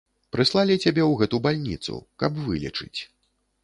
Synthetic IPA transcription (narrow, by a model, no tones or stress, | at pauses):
pɾɨslˠalʲit͡sʲabʲɛwɣɛt̪ubalʲnʲḭt̪sṵkɐbvɨlʲḭt͡ʂɨt͡sʲ